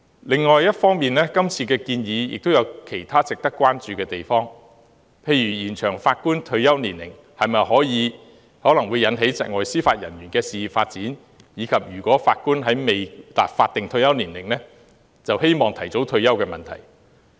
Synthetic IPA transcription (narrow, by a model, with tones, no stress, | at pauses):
lɪ˨ŋːɔː˨jjɐ˥t̚fɔː˥ŋmiː˨nlɛː˥kɐ˥mt͡sʰiː˧kɛː˧kiː˧njiː˨˧jɪ̰˨k̚t̪o˥wjɐ˨˧wkʰe˨˩jt̪ʰaː˥t͡sɪ˨k̚t̪ɐ˥kːʷaː˥nt͡ʃyː˨˧kɛː˧t̪e˨jfɔː˥ŋ | pʰe˧jɥyː˨˩jiː˨˩nt͡ʃʰœː˨˩ŋfaː˧t̚kuː˥nt̪ʰɵ˧ɥjɐ˥wniː˨˩nlɪ˨˩ŋ | hɐ˨jmɐ˨jhɔː˨˥jiː˨˧ | hɔː˨˥lɐ˨˩ŋwuː˨˧jɐ˨˧nɦe˨˥jt͡sɛ̰˨˩ŋɔː˨˩jsiː˥faː˧t̚jɐ˨˩njyː˨˩nkɛː˧siː˨˧faː˧t̚t͡siː˨˥n | jiː˨˧kʰɐ˨p̚jyː˨˩kʷɔː˨˥faː˧t̚kuː˥nɦɐ˨˥jme˨jt̪a̰ː˨˩faː˧t̚t̪ɪ˨ŋt̪ʰɵ˧ɥjɐ˥wniː˨˩nlɪ˨˩ŋlɛː˥ | t͡sɐ˨whe˥jmɔː˨ŋt̪ʰɐ˨˩jt͡so˨˥wt̪ʰɵ˧ɥjɐ˥wkɛː˧mɐ˨nt̪ʰɐ˨˩j